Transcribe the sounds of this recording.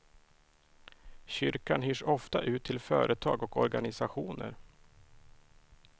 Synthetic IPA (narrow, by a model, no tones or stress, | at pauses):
ɕʏɾkanɦyːʂɔft̪aʔʉ̟ːt̪ʰːɪlfœːɾʔət̪ʰɑːɡɔkɔɾɡanɪsaɧuːnə̰ɾ